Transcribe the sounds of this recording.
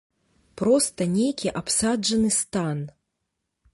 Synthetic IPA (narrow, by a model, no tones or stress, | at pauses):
pɾɔst̪ɐnʲejkʲiʔapsad͡ʐɐnɨst̪an